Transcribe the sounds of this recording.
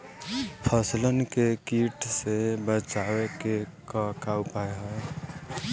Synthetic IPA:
pʰəslənkekiʈsebət͡ʃaweke | kəkaupaeɦə

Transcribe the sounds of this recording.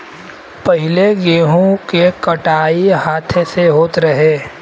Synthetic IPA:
pɐɦɪleɡeːɦõkekɐʈaːiɦaːt̪ʰeseɦoːt̪ɾɐɦeː

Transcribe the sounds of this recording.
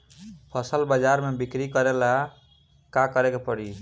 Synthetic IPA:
pʰʌsəlbəd͡ʒaɾmebikɾikəɾela | kakəɾekepəɽi

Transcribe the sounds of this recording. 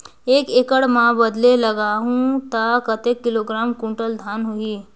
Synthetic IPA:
eːkeːkəɽmãbəd̪leləɡaːɦũt̪akət̪ekːɪloɡɾaːmkũɳʈəld̪ʱaːnɦoiː

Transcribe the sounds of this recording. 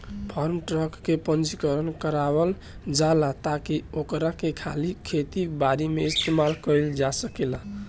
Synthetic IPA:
pʰɔɾmʈɾəkːepənt͡ʃikəɾənkəɾabəl | d͡ʒalat̪akiokɾakekʰalikʰet̪ibaɾimeist̪emalkəɪld͡ʒasəkila

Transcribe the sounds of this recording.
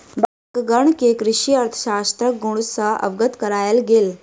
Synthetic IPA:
bakɡəɳkekɾiɕiəɾt̪ʰə̥ɕast̪ɾək̚ɡuɽ̃usəə̰ʋɡət̪kəɾajəlɡel

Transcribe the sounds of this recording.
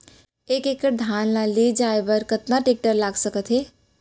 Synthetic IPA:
eːkeːkəʈ̚d̪ʱaːnlaleːd͡ʒaːebəɾkət̪naʈeːk̚ʈəɾlaːɡsəkət̪ɦeː

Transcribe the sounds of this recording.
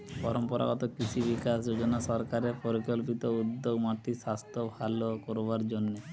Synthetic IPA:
pɔɾɔmpɔɾa̰ɡɔt̪okɾit͡ʃʰibikasd͡ʑod͡ʑonasɔɾkaɾepoɾikolpit̪oud̪ːoɡmaʈːiʃast̪ʰobʱalokoɾoβaɾd͡ʑonːe

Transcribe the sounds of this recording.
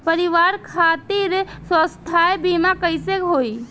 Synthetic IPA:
pəɾiʋaɾkʰat̪iɾsə̃st̪ʰaebimakəɪsekɦoi

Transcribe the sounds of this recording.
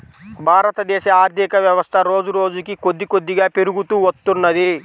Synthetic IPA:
bʱaːɾɐt̪ɐd̪ɛːʃɐaːɾd̪ʱikɐʋjɐʋɐst̪ʰɐɾoːd͡ʒuɾo̞ːd͡ʒukikod̪ːikod̪ːiɡaːpeɾuɡut̪uːot̪ːunːɐd̪i

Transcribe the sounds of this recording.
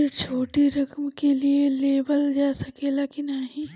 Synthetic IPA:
ɾt͡ʃʰoːʈiɾɐkmkelieleːbəld͡ʒaːsɐkelaːkinaɦĩ

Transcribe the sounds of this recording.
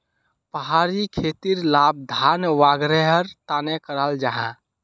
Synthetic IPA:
pəɦaɾikʰet̪iɾlab̚d̪ʱanʋaɡɾeɦəɾt̪anekəɾald͡ʒaɦã

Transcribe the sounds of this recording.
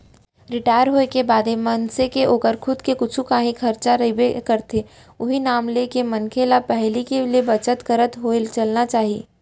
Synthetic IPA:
ɾɪʈaːɪjəɾɦoːekebaːd̪emɐnsekeʔoːkəɾkʰʊd̪kekʊt͡ʃʰũkaːɦĩkʰɐɾt͡ʃaɾɐɦibekɐɾt̪ʰe | ʊɦinaːmlekemɐnkʰelapɛɦlikeliebɐt͡ʃət̪kɐɾət̪ɦoelt͡ʃɐlnat͡ʃaːɦieː

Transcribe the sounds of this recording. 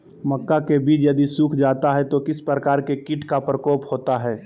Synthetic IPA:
mɐkːakebiːt͡ʃjɐd̪isuːkʰd͡ʒaːt̪aɦɛt̪okɪspɾəkaːɾkekɪʈkapɾəkɔːphoːt̪aɦɛː

